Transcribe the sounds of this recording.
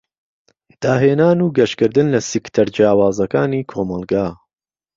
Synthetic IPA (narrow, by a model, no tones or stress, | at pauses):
d̪̥aːɦeːnaːnuːɡɐʃkɨɾd̪ɨnlɐsikt̪ʰɐɾd͡ʒjaːwaːzɐkaːniːkʰoːmɐlˠɡaː